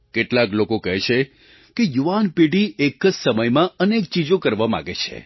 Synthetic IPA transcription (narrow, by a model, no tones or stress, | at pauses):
keʈlaklokokəɦɛt͡ʃʰe | kejuʋanpiɖiekəd͡ʒsəməjmãənek̚t͡ʃid͡ʒokəɾʋama̰ɡet͡ʃʰḛ